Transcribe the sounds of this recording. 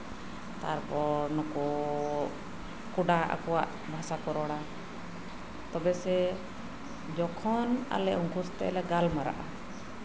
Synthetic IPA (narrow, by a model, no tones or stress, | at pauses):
t̪aɾpɔnɔkɔ | kuɖaʔa̰kɔwa̰ʔ | bʱasakɔɾɔɽa | t̪ɔbɛsɛ | d͡ʒɔkʰɔna̰lɛʔɔŋkust̪ɛ̰ʔɛlɛɡalmaɾa̰ʔa